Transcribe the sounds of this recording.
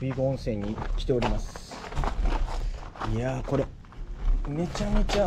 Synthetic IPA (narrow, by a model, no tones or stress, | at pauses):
bʲiːɡoõɰ̃se̞ːɲ̟ːikʲi̥t̪e̞o̞ɾʲimasɨ̥ | iako̞ɾe | me̞t͡ɕamet͡ɕa